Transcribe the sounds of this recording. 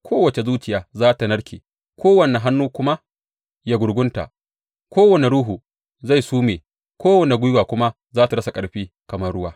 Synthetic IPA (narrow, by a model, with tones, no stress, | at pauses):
kʷʰoː˦wɐ˨t͡ʃe˨zuː˦t͡ʃɪ˨jaː˨zaː˦ta˨nɐ˦ɽkʲḛː˨ | kʷoː˦wɐ˨ne˨ɦa˦nːuː˦kʷʊ˦ma˦ | ja˦ɡʷʊ˨ɾɡʷʊ˦nta̰˨ | kʷʰoː˦wɐ˨ne˨ɽuː˦ɦu˨ | za˦˨jsuː˦meː˨ | kʷʰoː˦wɐ˨ne˨ɡʷʊ˦jʊ˦waː˨kʷʊ˦ma˦ | zaː˦ta˨ɽɐ˦sa˨kʼɐ˨ɽɸiː˦ | kɐ˨mɐ˦rɽʊ˦waː˦